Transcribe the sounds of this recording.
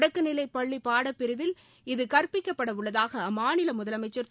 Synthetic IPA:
ɽɐkːɯnɪlɐɪpːɐɭːipːaːɽɐpːɪɾɯʋɪl | ɪðɯkɐɾpɪkːɐpːɐɽɐʋɯɭːɐðaːɣɐmaːnɪlɐmʊðɐlɐmɐɪt͡ʃːɐɾ

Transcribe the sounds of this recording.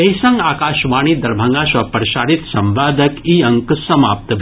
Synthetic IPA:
ɐisɐ̃ŋɡaːkaːʃʋaːɳ̃iːd̪ɐɾbʱɐ̃ŋɡaːʃʋɐpɾɐʃaːɾit̪sɐ̃mʋaːd̪ʱɐkiɐŋksɐmaːp̚t̪ɐbʱ

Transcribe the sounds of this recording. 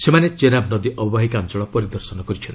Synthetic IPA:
semanet͡ʃeɾabnɔd̪iʔɔbbaɦikant͡ʃɔɭɔpɔɾid̪ɔɾsɔnɔkɔɾit͡ʃʰɔn

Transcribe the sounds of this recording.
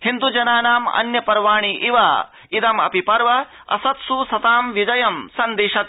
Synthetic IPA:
hind̪ud͡ʒɐnaːnaːmɐ̰njɐpɐɾʋaːɳ̃iʔiʋaː | it̪ɐmɐ̰pipɐɾʋɐ | ɐ̰sɐt̪susɐt̪aːmʋid͡ʒɐjɐmsɐnd̪eːʃɐt̪

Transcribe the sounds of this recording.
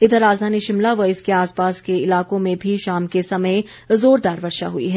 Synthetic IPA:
ɪd̪ɾaːzd̪ʱaːniʃɪmlaʋɐɪskeaːspaːskeɪlaːkõmẽbʱiʃaːmkesɐməj | zoːɾd̪aːɾʋɐɾʃa̰ɦuḭɦɛː

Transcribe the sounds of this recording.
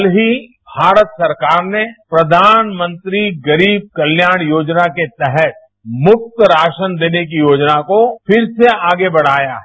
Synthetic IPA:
lɦi | bʱaːɾət̪sɐɾkaːɾnepɾɐd̪ʱaːnmə̃nt̪ɾiɡɐɾiːb̚kɐljaːɽ̃joːd͡ʒnaket̪ɛɦɛt̪̚ | mʊk̚t̪ɾaːʃənd̪eːnek̬ijoːd͡ʒnakofɪɾseaːɡebɐɽ̤aːja̰ɦɛ

